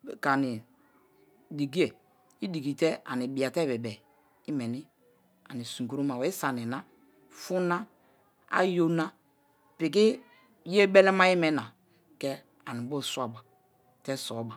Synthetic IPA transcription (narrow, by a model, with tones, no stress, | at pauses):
ka˨ni˨ | di˨ɡi˦e˨ | i˦di˨ɡi˨tɛ˦a̰˨ni˨bi˨a˨tɛ˦bɛ˨bɛ˨ | i˦mɛ˨ni˦ | a˨ni˨sũ˨ku˨ɾo˦ma˨wɛ˨˦i˦sa˨nɛ˨na˦ | fu˦na˦ | a̰˦jo˦na˦ | pi˨k̬i˦ | je˦bɛ˦lɛ˦ma˦ji˦mɛ˦na˨ | kɛ˦ | a˨ni˨bo˦˨swa˨ba˨ | tɛ˦sɔ˨˦ba˨